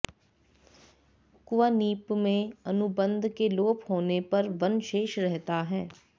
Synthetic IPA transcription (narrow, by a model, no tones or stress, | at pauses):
kʊʋaːniːpmẽənʊbə̃nd̪ʱkeloːphoːnepəɾʋənʃeːʃɾɛɦt̪aːɦɛː